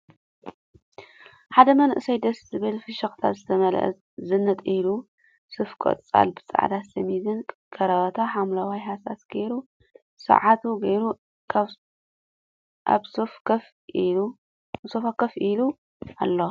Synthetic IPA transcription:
ħad̪ɐmɐnʔɨsajd̪ɐszɨβɨlfɨʃɐxt̪ʰazɨt̪ʰɐmɐlʔɐ̰ | zɨnːɐt̪ʼilu | sɨfkʼo̰t̪ʼt͡sʼa̰lbɨt͡sʼa̰ʕd̪asɐmizɨnkʰʼɐɾɐβɐt̪ʰaħamlawajhasasɡ̥ɐjɾu | sɐ̰ʕat̪ʰuɡɐjɾu | ʔa̰βsofkɐf | sofakɐfilu | alːo

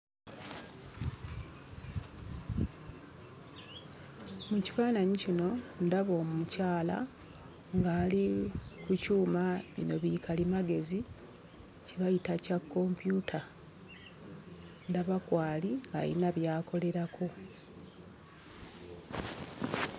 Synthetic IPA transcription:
muci̥faːnaɲicino̞ndaβo̞ːmumucaːla̰ | ŋɡaːlikucuːmaβḭno̞βikʰalimaɡe̞zi | ciβajitacakːo̞mpjutʰa | ndaβakwaːliŋɡa̰jḭnaβjaːkʰo̞le̞ɾakʰo̞

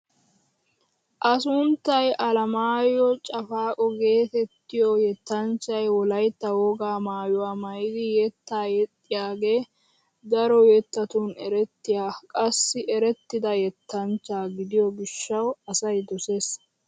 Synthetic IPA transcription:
ʔɐsʊnt̪ːɐjʔɐlɐmaːjɔt͡ʃʼɐfaːkʼɔɡe̞ːt̪ɛt̪ːɪjɔjɛt̪ːɐnt͡ʃːɐjwɔlɐjt̪ːɐwoːɡaːmaːjʊwaːmɐjɪd̪ɪjɛt̪ːaːjɛt̪ʼːɪjaːɡeː | d̪ɐɾɔjɛt̪ːɐt̪unɛɾɛt̪ːɪjaːkʼɐsːɪʔɛɾɛt̪ːɪd̪ɐjɛt̪ːɐnt͡ʃːaːɡɪd̪ɪjɔɡɪʃːɐwɐsɐjd̪ɔse̞ːs

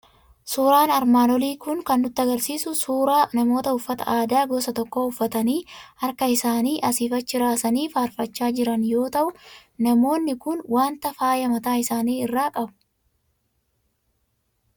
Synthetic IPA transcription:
suːɾaːnɐɾmaːnɔliːkʊŋkɐnːʊt̪ːɪɐɡɐɾsiːsʊsuːɾaːnɐmo̞ːt̪ɐʊfːɐt̪ɐ̰ʔaːd̪aːɡɔsɐt̪ɔkːoʊfːɐt̪ɐniːɐɾkɐɪsaːniːʔɐsiːfɐt͡ʃːɪɾaːsɐniːfaːɾfɐt͡ʃːaːd͡ʒɪɾɐnjo̞ːt̪ɐʔʊnɐmo̞ːnːɪkʊnwaːnt̪ɐfaːjɐmɐt̪aːɪsaːniːɪrːaːkʼɐbʊ̥

